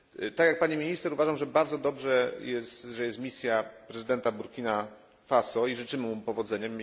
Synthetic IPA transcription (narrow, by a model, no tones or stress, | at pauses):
t̪akjak̚paɲemʲiɲist̪ɛɾuvaʐamʐɛbaɾd̪zɔd̪ɔbʐɛjɛst̪ʐɛjɛst̪mʲisʲjapɾɛzɘd̪ɛnt̪abuɾkʲina | fasɔiʐɘt͡ʂɘmɘmupɔvɔd̪zɛɲɛm